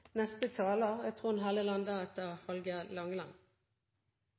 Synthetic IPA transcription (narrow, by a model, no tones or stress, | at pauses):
nɛst̪ət̪ʰɑːloʁæːt̪ʰʁuːn̩ɦɑləlɑnd̪əɛt̪əʁhɔlɡəlɑŋlɑ̰n